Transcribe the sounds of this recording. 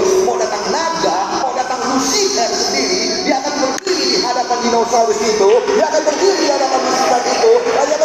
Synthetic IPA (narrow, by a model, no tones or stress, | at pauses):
madat̪aŋnaɡamawdat̪aŋmusɪkansəndiɾi | diaakanmərɡiidiɦadapandinosadisit̪udiaakanbərbuliiɦadapanmusikanit̪uadiak